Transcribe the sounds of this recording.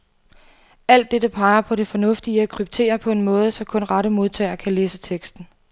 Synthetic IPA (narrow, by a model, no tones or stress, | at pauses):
æl̰d̥ːedəpʰɑ̈ɪɐpʰɒ̽ɾe̝fɒ̽nɔ̽fd̥iəækʰʁyb̥̚t͡sʰe̝̰ːɐpʰɒ̽e̝nmɔ̽ːð̞̩ˠəsɒ̽kʰɔ̽nʁɑɾəmo̝ð̞ˠt͡sʰɛ̰ːɪɐkʰæleːsət͡sʰeɡ̥sd̥n̩